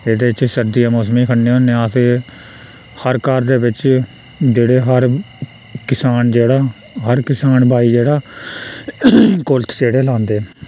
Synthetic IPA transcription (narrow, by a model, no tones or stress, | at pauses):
ed̪eːɪt͡ʃsəɾd̪ijãːmoːsmĩːkʰəɳːeːɦõːnẽːat̪eː | həɾkəɾd̪eːbɪt͡ʃ | d͡ʒeːɽeːɦəɾ | kɪsaːnd͡ʒeːɽaː | ɦəɾkɪsaːnbaːiːd͡ʒeːɽaː | kʊlt̪ʰseːɽeːlãːnd̪eː